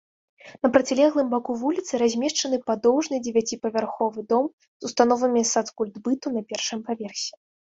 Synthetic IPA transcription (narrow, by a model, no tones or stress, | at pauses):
nɐpɾɐt͡sʲilʲɛɣlˠɨmbakuvulʲit̪sɨɾazʲmʲɛʂt͡ʂɐn̪ɨpad̪ɔwʐnɨd͡zʲɪvʲat͡sʲipɐvʲarxɔvɨd̪ɔm | zust̪anɔvɐmʲisat̪skulʲd̪bɨt̪unɐpʲɛrʂɨmpavʲɛrsʲɛ̥